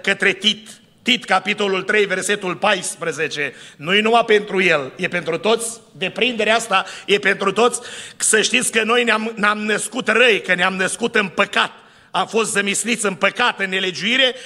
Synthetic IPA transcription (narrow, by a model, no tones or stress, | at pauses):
kət̪ɾe̞t̪it̪ː | it̪kapit̪o̞lult̪ɾe̞jve̞rse̞t̪ulpajspɾəze̞t͡ʃe̞nujenumape̞nt̪ɾuje̞lje̞pe̞nt̪ɾut̪o̞t̪sʲd̪e̞pɾind̪e̞ɾeast̪aje̞pe̞nt̪ɾut̪o̞t̪sʲsəʃt̪it̪sʲkəno̞jneamnamnəskut̪rəjkəneamnəskut̪ɨnpəkat̪̚ | amfo̞st̪zəmisnit̪sʲɨnpəkat̪ɨnːe̞le̞d͡ʒuiɾe̞